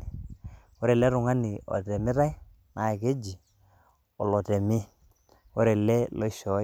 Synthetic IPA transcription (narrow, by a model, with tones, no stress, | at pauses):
wo˦ɾe˨lɛ˦ɾʊ˨ŋa˦nɪ˨ɔ̰˨tɛ˨mɪ˦ɾa˦j | nʔa˨ke˦d͡ʒi˨ | ɔ̰˨lɔ˨tɛ˨mɪ˦ | o˦ɾe˨lɛ˦lo˦ʃɔ˨˦